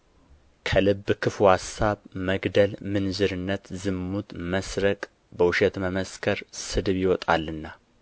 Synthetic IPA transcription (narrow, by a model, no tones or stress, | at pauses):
kʰəlɨbːkʰɨfuhasːaβməɡd̪əlmɨnzɨɾɨnːət̪zɨmːut̪məsɾəkʼ | bəwʊʃet̪məməskʰəɾsɨd̪ɨβjɪwɔt̪ʼalːɨnːa